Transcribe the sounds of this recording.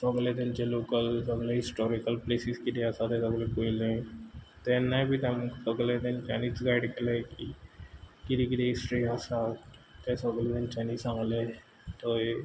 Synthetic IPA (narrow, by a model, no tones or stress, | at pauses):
soɡled̪ɪnt͡ʃeloːkələɡleɦɪsʈoːɾikəlpleːsiskideasat̪esəɡlekoːilẽt̪enːãbʱit̪eməɡled̪ɪnt͡ʃaːniːsɡaːɖkeleki | kiɾikɪdeɪsʈɾiaːsat̪esoɡled̪ɪnt͡ʃaːniːsãŋle | t̪oe